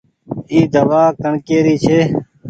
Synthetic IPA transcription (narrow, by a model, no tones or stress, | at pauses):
iːd̪əʋaːkəɳkeːɾiːt͡ʃʰeː